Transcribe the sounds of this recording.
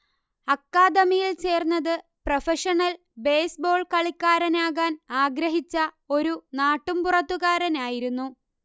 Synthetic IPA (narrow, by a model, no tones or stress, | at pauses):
ɐkːaːd̪ɐmijilt͡ɕe̞ːrnːɐðɨ | prɐfɐʂɐɳɐl | be̞ːsbo̞ːɭkɐɭikʲːaːɾɐnaːɣaːnaːɡɾɐɦit͡ɕːɐ | o̞ɾunaːʈːumpurɐt̪ːuɣaːɾɐnaːjiɾunːu